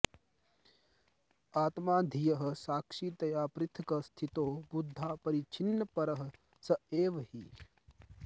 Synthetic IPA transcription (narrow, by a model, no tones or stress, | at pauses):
aːt̪maːd̪ʱijɐɦɐsaːkʂiːt̪ɐjaːpɾɪt̪ʰɐkɐst̪ʰit̪oːbud̪ʱːaːpɐɾit͡ʃʰinːɐpɐɾɐɦɐ̆ | sɐeːʋɐhi